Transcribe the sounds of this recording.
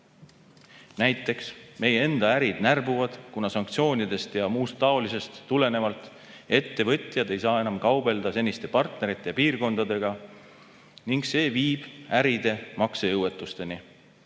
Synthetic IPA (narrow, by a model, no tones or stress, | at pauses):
næjt̪ːˑe̞ksme̞jee̞nd̪̥ɑæɾid̪nærbuvɑd̪̥kunɑsɑŋk̚t̪sio̞ːnʲid̪e̞st̪jɑmuːst̪ːɑo̞lise̞st̪ːule̞ne̞vɑlt̪ˑ | e̞t̪ːe̞vɤ̞t̪ʲˑjɑd̪e̞jsɑːe̞nɑmkɑwbe̞ld̪̥ɑse̞nʲist̪e̞pɑrt̪ne̞ɾit̪ːˑe̞jɑpiːrko̞nd̪ɑd̪e̞ɡ̥ɑ | niŋɡse̞ːviːb̥æɾid̪e̞mɑksejɤwe̞t̪ːˑust̪e̞ni